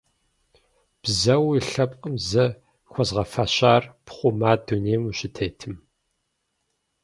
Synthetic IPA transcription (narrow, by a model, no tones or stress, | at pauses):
b̥zɐwiɬɐpʼqʼəmzɐ | xʷɔzʁɐfaːɕaːrpχʷʊmaːduneːmuɕɪtʰeːtʰɨm